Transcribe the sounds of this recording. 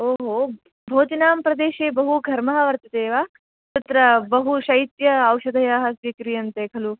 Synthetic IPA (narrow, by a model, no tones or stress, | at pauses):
oːɦoː | bʱoːt̪inaːmpɾɐd̪eːʃeːbɐɦuɡʱɐɾmɐɦɐʋɐɾt̪ɐt̪eːʋaː | t̪ɐt̪ɾɐbɐɦuʃɐjit̪jɐːwʃɐd̪ʱɐjaːɦɐsʋikɾijɐnt̪eːkʰɐlu